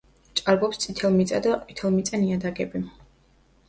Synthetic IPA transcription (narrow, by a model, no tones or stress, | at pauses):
t͡ʃʼaɾbɔpst̪sʼit̪ʰɛlˠmit̪sʼa̰d̪ait̪ʰɛlˠmit̪sʼaniad̪aɡɛbi